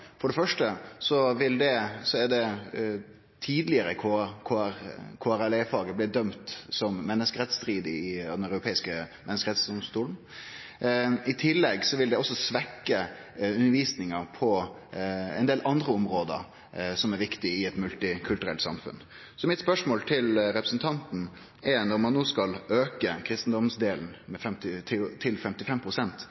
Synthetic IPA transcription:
fɔɖɛfœʂʈəsɔʋɪld̪ɛsɔæɖɛ | t̪ʰiːd̪lɪəɾəkʰokʰoɾkʰoːæɾælɛɪfɑːɡəblɪd̪œmt̪sɔmːɛnːəskəɾɛt̪st̪ɾiːd̪əɪd̪ɛnœʉɾʊpʰeːɪskəmɛnəskəɾɛt̪sd̪ɔmst̪uːln̩ | ɪt̪ʰɪlːɛɡsɔʋɪld̪ɛɔsːɔsʋɛkːəʉnəɾʋiːsnɪŋəɾpʰɔ | ɛ̰nd̪eːlʔɑnd̪ɾəɔmɾoːd̪ə̰ɾ | sɔmæɾʋɪkt̪ɪɪɛt̪mʉlt̪ɪkʰʉlt̪ʉɾɛlt̪sɑ̰mfʉ̰n | sɔmɪt̪spœʂmoːlt̪ʰɪlɾɛpɾə̥sn̩t̪ʰɑnt̪n̩ | ɛɾnɔɾmɑnːoːskɑløːkəkʰɾɪst̪n̩d̪ɔmsd̪eːln̩mɛfɛmt̪ɪt̪ʰɪt̪ʰɪlfɛmt̪ɪfɛmpʰɾʊsɛnt̪

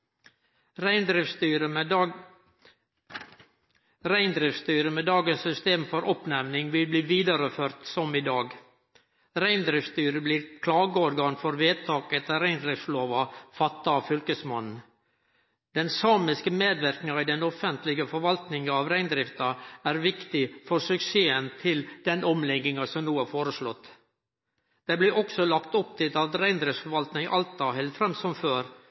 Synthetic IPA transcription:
ɾæɪnd̪ɾɪfst̪yːɾə | ɾæɪnd̪ɾɪfst̪yːɾəmɛːd̪ɑːɡənsːʏst̪eːmfɔɾʔɔpnæʋnɪŋʋɪlbliːʋiːd̪ɑɾəføːɾt̪sɔmɪd̪ɑːɡ | ɾæɪnd̪ɾɪfst̪yːɾəbliːɾkʰlɑːɡəɔɾɡɑːnfɔɾʋeːt̪ʰɑːkɛt̪ːəɾæɪnd̪ɾɪfsloːʋɑfɑt̪ːɑɑfʏlkəsmɑnn̩ | d̪̥ɛnsɑːmɪskəmeːd̪ʋɪɾknɪŋɑid̪ɛnɔfənt̪lɪɡəfɔɾʋɑlt̪nɪŋɑʋɾæɪnd̪ɾɪft̪ɑæɾʋɪkt̪ɪfɔɾsʉkseːənt̪ʰɪld̪ɛnɔmlɛɡɪŋɑsɔmnuːæɾfoːɾəʂlɔt̪ː | d̪̥ɛɪblɪɾʔɔksɔlɑkt̪ɔp̚t̪ʰɪt̪ɑt̪ɾæɪnd̪ɾɪfsfɔɾʋɑlt̪n̩ɪʔɑlt̪ɑɦɛlt̪fɾɛmsɔmføːɾ

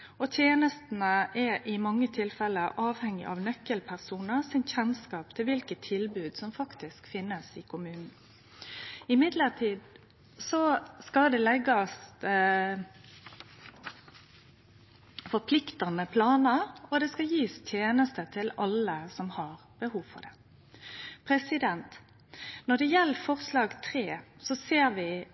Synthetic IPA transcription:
ɔt̪ʰjeːnəst̪nəʔɛʔɪmɑŋːət̪ʰɪlfɛlːəʔɑːʋhɛŋːɪ̰ʔɑʋnœkːəlpʰæʁsuːnəɾsɪnçɛnskɑːp̚t̪ʰɪlʋɪlkət̪ʰːɪlbʉːd̪sɔmfɑkt̪ɪskfɪnːəsɪkʰʊmʉːnn̩ | ɪmɪd̪ləʁt̪ʰiːd̪ | sɔskɑld̪ɛlɛɡːɑs | fɔɾpʰlɪkt̪ɑnəpʰlɑːnəɔd̪ɛskɑjiːst̪ʰjeːnəst̪ət̪ʰɪlɑləsɔmhɑʁb̥əhuːʋfɔ̰ʁd̪ɛ | pʰʁɛsɪd̪ɛnt̪ | nɔɖ̪ɛjɛlːfɔʁslɑːɡt̪ʰʁeːsɔseːɾʋɪ

